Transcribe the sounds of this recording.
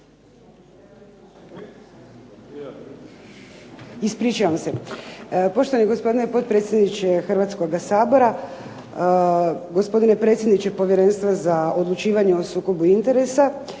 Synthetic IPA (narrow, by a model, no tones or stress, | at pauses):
ispɾiːt͡ʃaʋamse̞ | po̞ʃt̪oʋaniɡo̞spo̞d̪inepo̞t̪̚pɾe̞t̪sjed̪nit͡ʃe̞xr̩ʋat̪sko̞ɡasaːbo̞ɾa | ɡospo̞d̪ine̞pɾe̞t̪sʲjed̪nit͡ɕe̞po̞ʋje̞ɾe̞nst̪ʋazao̞d̪lˠut͡ʃiːʋaɲeo̞suːko̞buint̪e̞ɾe̞sa